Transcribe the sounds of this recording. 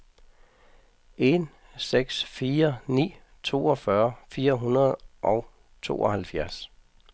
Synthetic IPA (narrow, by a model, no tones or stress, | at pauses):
ʔe̝n | seɡ̥sfiːɐnḭː | t͡sʰo̝̰ːɒ̽fɶɐfiːɐɦunɐð̩ˠʔɒʊ | t͡sʰo̝̰ːʔɒhælfjæɐs